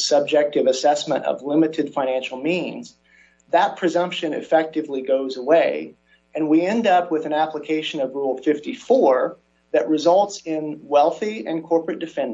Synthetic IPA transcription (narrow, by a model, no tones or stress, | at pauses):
sʌb̚d͡ʒɛk̚tɨvɨsɛsmə̰̃ɾ̃ʌ̰vlɪ̃mɨɾɨd̥fãɪ̃næ̃nʃl̩ˠmĩnz | ðət̚pʰɹ̥ɨzʌ̃mpʃɨ̃nɨ̰fɛk̚tɨvliɡoʊzəweɪ | ɨ̃nwiɛ̃ndʌp̚wəðɨ̃næpləkʰeɪʃɨ̃nʌvɹulˠfɪftifɔɹ | ðɨʔ̚ɹɨzʌlˠtsɪ̃nwɛlˠθiɨ̃nkʰɔɹpɹɨt̚d̥ɨfɛ̃n